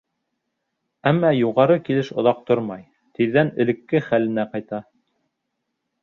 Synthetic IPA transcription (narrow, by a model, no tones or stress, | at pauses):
æmːɑjuʁɑɾɤkilɘʃŏðɑq̚t̪oɾmɑj | t̪iðːænɘ̆lɘ̆kːɘχælɘ̆næqɑjt̪ɑ